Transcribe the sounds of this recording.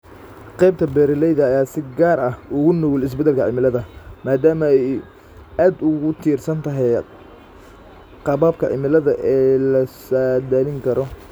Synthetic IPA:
qɛjb̚t̪ʰɐbɛːɾɪlɛjðɐːjaːsɪɡaːrɐhʊɣʊnɔwlɪs̬bɛd̪ɛlkʰɐʕɪ̰mɪlɐðɐmaːd̪aːmɐɛj | aːd̪ʊɣʊt̪ʰiːrsɐnt̪ʰɐɦɛj | qɑβaːbkʰɐʕɪ̰mɪlɐðɐʔɛːlɐsad̪ɐlɪŋkʰɐɾɔ

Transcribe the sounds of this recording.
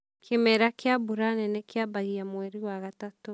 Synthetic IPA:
kʰemɛɾakeabuɾanɛnɛkeabaɣiamwɛɾiwaɣatatu

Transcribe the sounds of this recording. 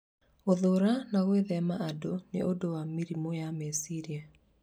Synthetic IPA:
oðoɾanaɣweðɛmaadonḛʔodowamiɾimojamesiɾia

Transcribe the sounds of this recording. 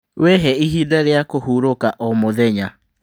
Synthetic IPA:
wɛɦɛiɦidaɾeakohuːɾokaʔɔmoðɛɲa

